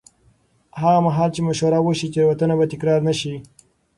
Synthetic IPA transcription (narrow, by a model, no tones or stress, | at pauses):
haɣamaɦɑlt͡ʃemaʃwaɾawoʃit͡ʃeɾwat̪ənabat̪ɪkɾɑɾnaʃi